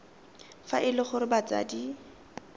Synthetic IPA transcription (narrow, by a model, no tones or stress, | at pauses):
faʔɪlɪχʊɾɪbat͡sa̰ːdi